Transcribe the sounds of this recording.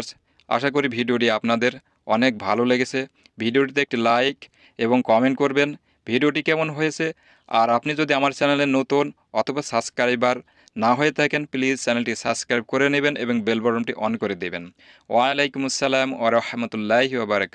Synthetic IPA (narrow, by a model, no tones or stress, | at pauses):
s | a̰ʃak̬oɾibʱiɖioʈiapnad̪eɾ | ɔnek̚bʱaloleɡet͡ɕʰe | bʱiɖioʈit̪̬eek̚ʈilajk | eboŋkɔmeɳʈkoɾben | bʱiɖioʈikɛmonɦojet͡ɕʰe | a̰ɾapnid͡ʑod̪iamaɾt͡ɕɛnelenot̪un | ɔt̪ʰobasabskaɾibaɾ | naɦojet̪ʰakenplid͡ʑt͡ɕɛnelʈisabskɾajb̚koɾenebenʔḛboŋbelbɔɾomʈiʔɔnkoɾed̪iben | waalejkumasːalamwaɾaħmat̪ulːaɦwabaɾak